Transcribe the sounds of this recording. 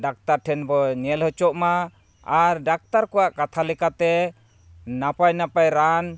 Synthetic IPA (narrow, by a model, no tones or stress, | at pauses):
ɖak̚t̪aɾʈʰɛnbɔɲɛlhɔt͡ʃɔʔma | aɾɖak̚t̪aɾkɔwaʔkat̪ʰalɛkat̪ɛ | napajnapajɾan